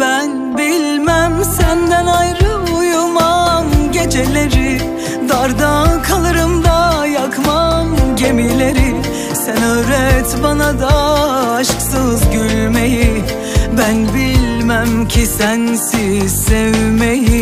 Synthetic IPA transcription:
bæn | bilʲ | mæmsænd̪ænajɾɯ | ujumamɟe̞d͡ʒe̞lʲe̞ɾɪ | d̪aɾd̪akʰalˠɯɾɯmd̪ajakʰmamɟe̞milʲeɾɪ | sɛnøːɾɛt̪banad̪aːʃksɯzɟyɾmeji | bænbilʲ | mæmcʰisænsi | evmeji

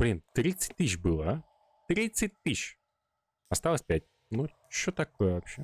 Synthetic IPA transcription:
b̥lʲint̪ɾʲit̪sɨ̥t̚ʲt̪ɨɕbɨlˠə | t̪ɾʲit̪sɨt̚ʲt̪ɨɕ | ɐst̪alˠəsʲpʲæt̚ʲ | nu | t͡ɕːot̪ɐkojəvɐpɕe

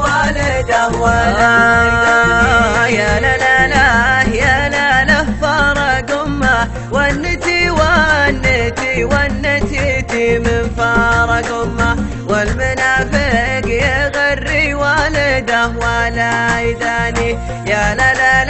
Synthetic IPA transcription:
walɪd̪awaaa | jaalalahjalalafɑɾˤɑɡʊmːa | wanːɪt̪iwanːɪt̪iwanːat̪it̪imɪnfɑːɾˤɑɡʊmːa | walmanaːfɪkjeɣarːiwalɪd̪awalajɪd̪aːni | jalala

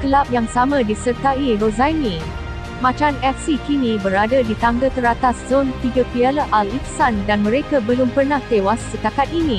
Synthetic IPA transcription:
kəlap̚jaŋsamãdisərt̪airozani | mãt͡ʃanɛk̚sikinĩbəɾadadit̪aŋɡət̪əɾat̪aszont̪iɡapialaʔaliksandanmə̃ɾekabəlʊmpərnaht̪ewasːəkakat̪̚inĩ

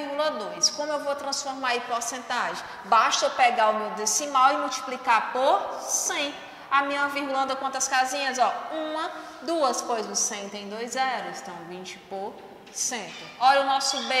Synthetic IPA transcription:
ɡulɐd̪õj̃skõmʊewvowt̪ɾɐ̃sfoɾmaɾaipoɾsẽnt̪aʒẽ | baʃt̪ɐepɛɡaʊmewd̪esimawɪmuwt͡ʃi̥plikapoɾsẽj̃ | amĩmɐviɾɡulɐ̃nd̪ɐkwõnt̪ɐskazĩɲɐzɔũmɐ | d̪uɐspojzʊsẽj̃t̪ẽj̃d̪ojzːɛɾʊɪst̪ɐ̃w̃vĩt͡ʃɪ̥poɾ | sẽnt̪ʊɔʎʊnɔsʊbe

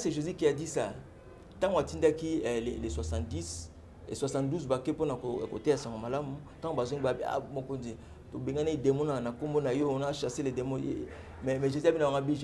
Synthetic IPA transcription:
seʒozikejadisa | tãŋɡatindakileleswasãdis | ḛswasãduzbakeponakoko̰teasaŋɡomalamu | tãŋɡobazoŋiabia̰mokonzi | tobeŋɡanaidemɔnanakombonajonaʃaseledemoḛ | mɛmɛʒoziabinawaŋɡabiʒ

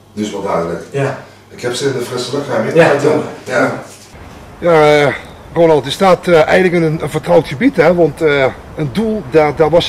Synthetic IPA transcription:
dɪsʋɔlˠdœːdələk | ɪkhɛpsɪndəfrɪsələkamɪaəja | ja | roːnɑlˠtəstaːtɛjɣənləkənənfərtrɔwtxəbitɛʋɔnt | əndulˠdadɔtʋɔs

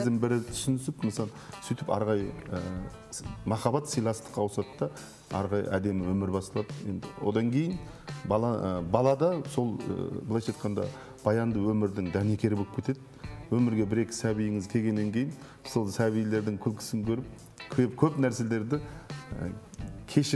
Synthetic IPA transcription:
zɪmbɪɾɪt̪ʰʏ̥ʃʏɪnʏsɪpmnsɑ | sʏjt̪ɪpɑ̰ɾʁɑjəə | mɑχɑbɑt̪sijlˠɑst̪ə̥qɑwʊsɑt̪ət̪d̪ɑ | ɑ̰ɾʁɑjə̰ʔæd̪e̞mɪwɵmɪɾbɑsɑlˠɑd̪əje̞̰nd̪ɪwo̞̰d̪ɑŋkʲʰe̞jɪn | bɑlˠɑbɑlˠɑd̪ɑso̞l̰ˠblˠɑjʃɑjt̪qɑnd̪ɑ̰ | b̥ɑjɑnd̪əwɵmɪɾd̪ɪŋd̪æne̞kʲʰe̞ɾɪboɪpkʰe̞t̪e̞d̪ɪwɵmɪɾɡʲe̞bɪɾe̞kʲɪ̥sæbijɪŋɪzkʲʰe̞lʲɡʲe̞nːe̞ŋkʲʰe̞jɪn | solˠsæβijle̞ɾd̪ɪŋkʲʰʏlkʲʰɪ̥sɪŋkʲʰɵɾɪp̚ | kʲʰekʲʰɵpnæɾse̞le̞ɾd̪ɪ | kʲʰe̞ʃɪ

